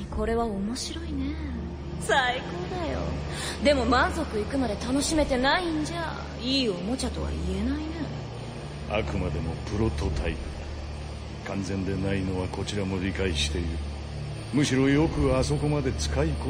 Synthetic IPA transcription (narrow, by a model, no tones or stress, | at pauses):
ko̞ɾe̞βaomo̞ɕiɾo̞ine̞ | saiko̞ːd̪ajo̞̰ | d̪e̞mo̞mãnzo̞kɯ̟ikɯ̟mad̪e̞t̪ano̞ɕime̞t̪e̞naĩɲ̟d͡ʑa | iːomo̞t͡ɕat̪o̞βa̰ie̞naine | a̰kɯ̟mad̪e̞mo̞pɯ̟ɾo̞t̪o̞t̪ʰai | kʰãnzẽ̞nd̪e̞naino̞βako̞t͡ɕiɾamo̞ɾʲikaiɕi̥t̪e̞iɾɯ̟ | mɯ̟ɕiɾo̞jo̞kɯ̟aso̞ko̞mad̪e̞t͡sɨ̥kaiko